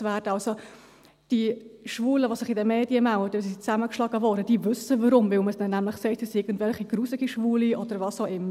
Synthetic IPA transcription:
væːdəɑlso | d̥iʃvuːləvosɪχɪdɛmeːdjəmælədəsst͡sæməkʃlɑːɡəvɔːɾd̥əd̥iːvʏsəvəɾʊmvɪlməsd̥ɛnːæmlɪχsɛɪtʰəsɪːɡən̩tvɛlχiɡ̥ruːsɪɡ̥iʃvuːliʔɔd̥əɾvɑːsoʊʔɪmːə

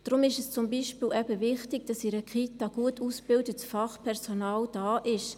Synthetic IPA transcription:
d̥ɾʊmɪʃɛst͡sʊmbiːʃpiːlʔɛbəʋɪχtɪɡ̥̚d̥ɑsɪɾəkχitɑɡ̥uətʰusb̥ɪldətsfɑχpʰɛʁsonɑːld̥ɑːʔɪʃ

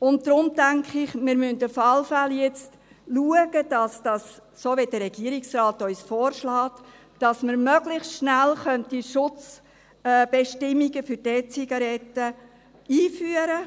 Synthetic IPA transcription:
ʊntd̥ɾʊmtæŋkʰχɪχmɪɾmyntəfɑlfæljɛt͡st | luəɡ̥əd̥ɑsd̥ɑssoːʋed̥əɾɛɡ̥iəɾɪksrɑːtœʏsfoːɾʃlɑːt | d̥ɑsməɾmœɡlɪχstʃnælχœntiʃʊt͡sː | b̥ɛʃtɪmːiɡəfʏɾd̥ɛːt͡siɡ̥ɑɾɛtːə | iːfyːəɾə

